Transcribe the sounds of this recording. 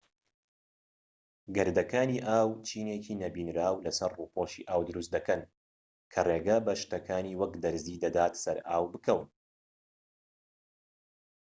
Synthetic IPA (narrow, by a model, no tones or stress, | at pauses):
ɡɐɾd̪ɐkaːniːʔaːwt͡ʃʰiːneciːnɐbiːnɾaːwlɐsɐɾruːpoʃḭʔaːwd̪ɨɾust̪d̪ɐkɐn | kʰɐreːɡɐbɐʃt̪ɐkʰaːniːwɐkd̪ɐɾziːd̪ɐd̪aːt̪sɐɾʔaːwbɨkʰɐwɨn